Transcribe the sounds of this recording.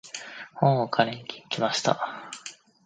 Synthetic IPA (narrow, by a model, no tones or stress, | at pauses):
hõɴokʰaɾẽɲ̟ikʲʰi̥ikʲimaɕi̥t̪a̰